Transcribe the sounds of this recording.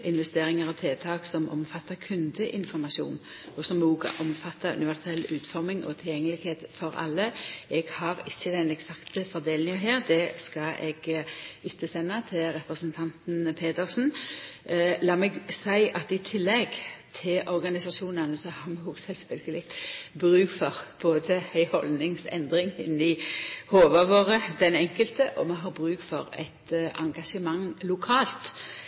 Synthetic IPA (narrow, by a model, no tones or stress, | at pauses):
ɪnʋɛst̪eːɾɪŋəɾɔt̪ʰeːt̪ʰɑːksɔmʔɔ̰mfɑt̪ːɑɾkʰʉnd̪əʔɪnfɔɾmɑʂṵːn | ɔsɔmoːɡ̰ʔɔmfɑt̪ʰːɑʉ̰nɪʋæʁsɛlʉːt̪fɔɾmɪŋɔ̰t̪ʰɪljɛŋːəlɪɡheːt̪fɔɾɑ̰lːəɛɡhɑɾɪçːəd̪ɛnɛksɑkt̪əfɔɾd̪eːlɪŋəɦæːɾd̪ɛskɑʔɛ̰ɡɪt̪ʰːəsɛnːɑt̪ʰɪlɾɛpɾəsənt̪ʰɑnt̪n̩pʰeːt̪əɾsn̩ | lɑːmɛɡsæɪʔɑt̪ɪt̪ʰɪlːɛɡt̪ʰɪlʔɔɾɡɑnɪsɑʃuːnənəsɔhɑɾmɛoːɡsɛlfœlɡəlɪɡ̪bʁʉːkfɔʁb̥oːd̪əæɪhɔlnɪŋsɛ̰nd̪ʁɪŋɪ̰nːɪhoːʋɑʋoːʁəd̪ɛnɛŋkəlt̪əʔɔmɛɦɑːbʁʉːkfɔɾæ̰ɪt̪ʔɑŋɡɑʂəmɑŋlʊkʰɑːlt̪